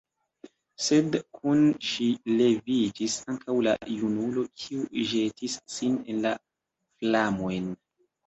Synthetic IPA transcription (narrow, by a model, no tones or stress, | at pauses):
se̞dkʰunʃile̞vid͡ʒisaŋkawla̰junulo̞kʰiuʒe̞tisːine̞nla | flamo̞jn